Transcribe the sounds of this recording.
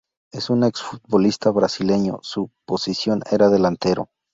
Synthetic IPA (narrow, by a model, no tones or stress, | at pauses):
e̞suneksfut̪̚bo̞list̪aβɾasile̞ɲo̞̰supo̞sisjo̞ne̞ɾaðelant̪e̞ɾo̞̰